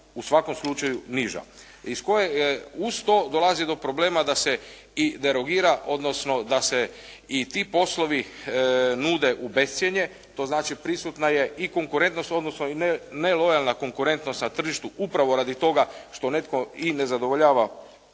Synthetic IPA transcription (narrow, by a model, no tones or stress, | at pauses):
usʋako̞mslˠut͡ʃajuniʒa̰ | isko̞jeust̪o̞d̪o̞lˠazid̪o̞pɾo̞ble̞ːmad̪ase̞ | id̪e̞ɾo̞ɡiːɾaʔo̞d̪no̞sno̞d̪ase | it̪ipo̞slˠo̞ʋi | nuːd̪e̞ʔube̞st̪sjeɲe̞ | t̪o̞znaːt͡ʃipɾisut̪naje̞iko̞ŋkuɾe̞nt̪no̞st̪o̞d̪nosno̞inenelo̞jalnako̞ŋkuɾe̞nt̪no̞st̪nat̪r̩ʒiʃt̪uupɾaʋoɾaːd̪it̪o̞ɡaʃt̪o̞ne̞t̪ko̞ine̞zad̪o̞ʋoʎaːʋa